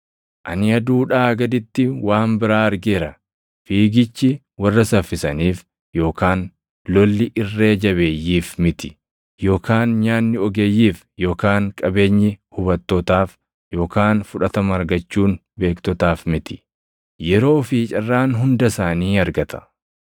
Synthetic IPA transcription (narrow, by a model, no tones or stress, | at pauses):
ʔɐnɪɐd̪uːᶑaːɡɐd̪ɪt̪ːɪwaːmbɪɾaːɐɾɡeːɾɐ | fiːɡɪt͡ʃːɪ | wɐrːɐsɐfːɪsɐniːf | jo̞ːkaːn | lɔlːɪʔɪrːeːd͡ʒɐβe̞ːjːiːfmɪt̪ɪ̥ | jo̞ːkʰaːnɲaːnːɪɔɡeːjːiːf | jo̞ːkaːŋkʼɐbe̞ːɲːɪhʊbɐt̪ːɔt̪aːf | jo̞ːkaːnfʊᶑɐt̪ɐmɐɾɡɐt͡ʃːuːn | be̞ːkt̪ɔt̪aːfmɪt̪ɪ̥ | jɛɾo̞ːfiːt͡ʃʼɐrːaːnɦʊnd̪ɐsaːniːɐɾɡɐt̪ɐ̥